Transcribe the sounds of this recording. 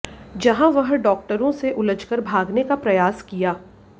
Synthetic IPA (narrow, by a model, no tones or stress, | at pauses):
d͡ʒɐɦãʋɐɦɖɔːk̚ʈəɾõseʔʊləd͡ʒkəɾbʱaːɡnekapɾɐjaːskijaː